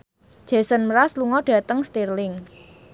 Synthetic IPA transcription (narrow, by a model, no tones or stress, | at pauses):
ʒ̥a̤sənməɾasluŋɔɖ̥ä̤t̪əŋst̪irlɪŋ